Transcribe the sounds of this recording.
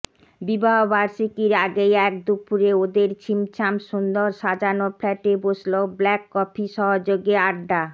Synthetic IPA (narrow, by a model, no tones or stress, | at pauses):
bibaɦobaɾʃikiɾaɡejɛk̚d̪upʰuɾeod̪eɾt͡ɕʰimt͡ɕʰamʃund̪oɾʃad͡ʑanoflɛʈebosloblɛkːɔpʰiʃɔɦod͡ʑoɡeaɖɖa